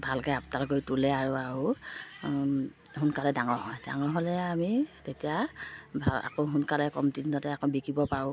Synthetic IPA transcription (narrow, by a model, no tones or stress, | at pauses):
bʱalkɛaptaɹɡojtulɛaɹuaɹu | hunkalɛdaŋɔɹɦɔjda̰ŋɔɹɦolɛamitetijabʱaa̰koɦunkalɛkɔ̰mtidinɔtɛakɔbikibɔpaʊ̃